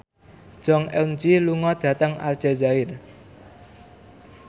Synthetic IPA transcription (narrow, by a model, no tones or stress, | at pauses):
d̥ʒ̥ɔŋɛwnd͡ʒiluŋɔd̪̥ä̤t̪əŋa̰ld͡ʒ̥ezaɪr